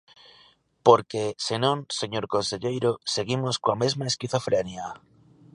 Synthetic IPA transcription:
poɾkesenõŋseɲoɾkonseʎejɾoseɣimoskoamezmaeskiθofɾenja

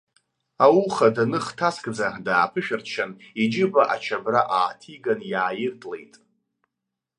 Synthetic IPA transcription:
awuχadanɨχtʰaskʼd͡zadaːpʰɨʃᶣart͡ʃʰanid͡ʒɪbaʔat͡ʃʰabraʔaːtʰiɡanjaːjɪrtʰʼlejtʼ

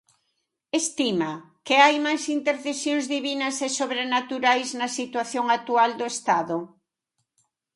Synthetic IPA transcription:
est̪imɐ | kɪajmajsint̪eɾθesjõŋzðiβinɐsesoβɾenat̪uɾajznɐsit̪waθjoŋat̪uald̪oest̪aðʊ

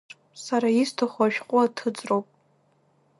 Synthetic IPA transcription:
saɾaistʰaχʷaʃᶣqʼʊatʰɨd͡zʼrowpʼ

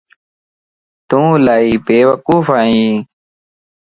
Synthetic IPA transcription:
t̪ũːlaːiːpeːʋəkuːfaːɦĩː

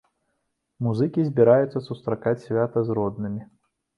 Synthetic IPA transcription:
muzɨkʲizʲbʲiɾajut̪sːɐsust̪ɾakat͡sʲsʲvʲat̪ɐzrɔd̪nɨmʲi

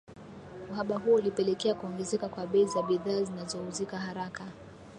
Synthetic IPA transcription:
uhaɓaɦuɔulipɛlɛkɛakuɔŋɡɛzɛkakwaɓɛizaɓiðaːzinazɔhuzikaɦaɾaka

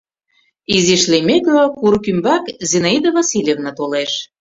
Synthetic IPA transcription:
iziʃlemeklokuɾkymbɑkzenaid̪əvɑsilʲevnət̪oleʃ

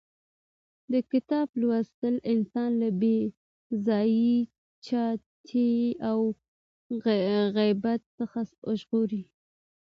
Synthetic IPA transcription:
d̪əkɪt̪ɑblwast̪əlɪnsɑnlabe | zɑji | t͡ʃɑt̪ʰeaw | ɣajbat̪ːəxasʊʒɣoɾi

